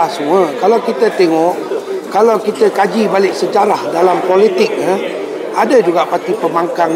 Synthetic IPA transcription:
asəmuəkalawkit̪ət̪eŋɔʔkalawkit̪əkad͡ʒibalɪʔsəd͡ʒaɾahdalampolit̪ɪk̚na | adəd͡ʒuɡaʔpat̪ipəmaŋkaŋ

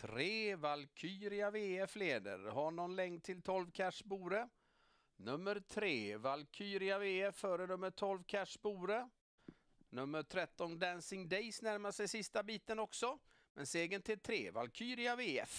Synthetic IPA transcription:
t̪ʰɾeːvalkʰyːɾɪaveːɛfleːd̪ə̰ɾhaɳɔnlɛŋ̚t̪ʰɪlt̪ʰɔlvkʰæʂbuːɾə | nɵmːəɾt̪ʰɾeːvalkʰyːɾɪaveːɛfːœːɾənɵmːəʈʰɔlvkʰæʂbuːɾə | nɵmːəʈ̪ʰɾɛt̪ːɔnd̪ænsɪŋd̪ɛjsnæɾmasɛjsɪst̪abiːt̪ənɔksɔ | mɛ̰nseːɡənt̪ʰɪlt̪ʰɾeːva̰lkʰyːɾɪaveːɛ̰f

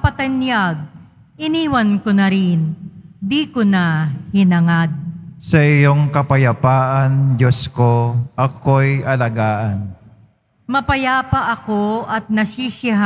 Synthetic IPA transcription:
pɐt̪ɐnjaɡ̚ | ʔɪniːwɐnkonɐɾɪnd̪iːkʊnahɪnɐŋad̪̚sɐʔɪjoŋkɐpɐjɐpaːʔand͡ʒoskoʔɐkojʔɐlɐɡaːʔan | mɐpɐjaːpɐʔɐkoʔɐt̪̚nɐsiʃɪɦ

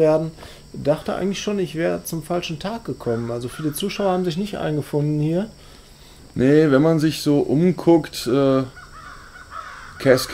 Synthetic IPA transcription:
eːɐdn̩ | daχtəʔa̰ɪɡəŋ̩tlɪçʃoːnɪçv̥ɛːʁət͡sʊmfalʃn̩tʰaːk̚ɡ̥əkʰɔmənʔalzofyːɐdiːt͡suːʃaʊɐhaːbmzɪçnɪçtʔa̰ɪnɡəfʊndn̩hiːɐ | nəvɛnmanzɪçz̥oːʔʊmkʰʊktʔɛː | kʰɛsk

